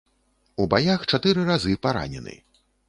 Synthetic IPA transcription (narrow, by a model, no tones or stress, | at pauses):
ubajaxt͡ʂat̪ɨɾɨɾazɨpaɾa̰nʲɛ̰nɨ̰